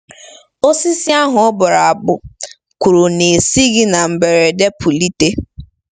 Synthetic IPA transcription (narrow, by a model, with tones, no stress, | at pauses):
o˦si˦si˦a˦ɦʊ˨ɔ˦bʊ˨ɾa˨a˨bʊ˨ | ku˨ɾu˨ne˨si˦ɡɪ˦na˨m̩˨be˨ɾe˨de˦pʊ˨li˦te˦